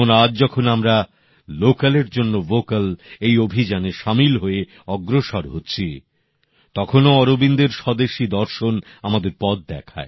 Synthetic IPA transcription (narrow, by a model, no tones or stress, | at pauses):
onad͡ʑd͡ʑɔkʰonamɾa | lokaleɾd͡ʑonːovokalejobʱid͡ʑaneʃamilɦoe | ɔɡɾoʃaɾɦotːɕʰi | t̪ɔkʰonoɔɾobind̪eɾʃɔd̪eʃid̪ɔɾʃon | amad̪eɾpɔd̪̚d̪ɛkʰa̰e